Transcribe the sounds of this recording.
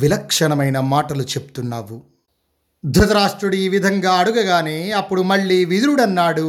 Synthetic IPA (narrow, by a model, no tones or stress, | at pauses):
ʋilɐkʂɐɳɐmɐjnɐmaːʈɐlut͡ʃe̞pu̥t̪unːaːʋu | d̪ʱut̪ɐɾaːʂʈɾuɽiiːʋid̪ʱɐŋɡaːɐɽuɡɐɡaːneːɐpːuɽumɐɭːiːʋid̪uɾuɽɐnːaːɽu